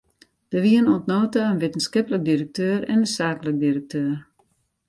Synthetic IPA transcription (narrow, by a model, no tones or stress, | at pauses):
d̥əʋiənɔntnoːtaənʋetən̩skɪplək̚dirək̚tøːɾɛ̰nəsaːklək̚diɾək̚tʰøːr